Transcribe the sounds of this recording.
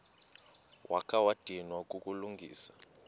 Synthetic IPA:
wʔakʰawad̥ʱinwakʼukʼuluŋɡʱḭːsḁ

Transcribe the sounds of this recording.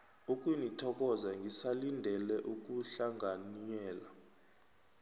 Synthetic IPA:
uk̬ʼwinitʰɔk̬ɔzaŋɡisalindʱɛlɛʔuk̬ʼuɬaŋʱaniɲɛːla

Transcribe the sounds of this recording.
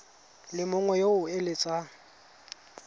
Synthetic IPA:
lɪmʊŋwɛjoʊelɪt͡sʼa

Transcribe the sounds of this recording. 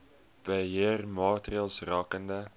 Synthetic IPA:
b̥əɦeərmɑːtriɑlˠsrɑːkəndə

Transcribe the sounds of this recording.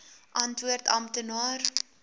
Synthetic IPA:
ʔɐntʋuərtɐ̰mtənɑːr

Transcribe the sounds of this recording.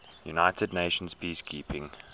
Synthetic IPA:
junaɪtʰədneɪʃə̃nz̥pʰiːskʰiːpɪ̃ŋ

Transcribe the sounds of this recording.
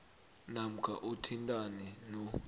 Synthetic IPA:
nam̩kʰa̰ʔutʰintʼanɛnɔ

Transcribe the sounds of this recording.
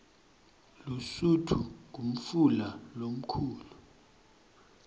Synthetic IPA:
lusutʰuk̬um̩fulalom̩kʰuːlu

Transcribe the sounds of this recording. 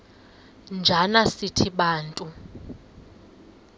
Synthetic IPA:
nd͡ʒʱanasitʰiɓaːntʼu

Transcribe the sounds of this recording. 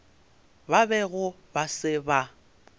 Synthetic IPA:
babɛɣʊ | basɪba

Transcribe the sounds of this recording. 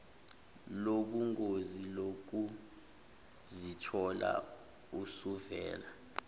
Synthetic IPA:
loɓuŋozilok̬u | zitʰɔla̰ | usuvɛ̰ːla

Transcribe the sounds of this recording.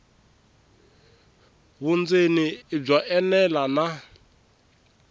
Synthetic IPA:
βund͡zenib͡ʐaʔɛnɛlana

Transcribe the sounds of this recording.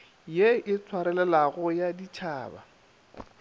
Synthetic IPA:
jeɪt͡sʰwaɾɛlɛlaɣʊjadit͡ʃʰaːba̰

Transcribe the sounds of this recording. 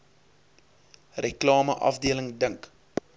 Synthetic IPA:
rəklɑːməʔɐ̰fdiələŋdəŋk

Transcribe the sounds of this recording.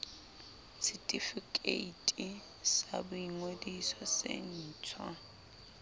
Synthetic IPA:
sitʼifikʼeitʼi | sa̰bʊiŋwedisɔsḛn̩ːt͡sʰwa

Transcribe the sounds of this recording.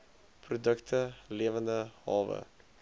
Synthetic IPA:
prodɵktʰəleːvəndəhɑ̰ːvə̰

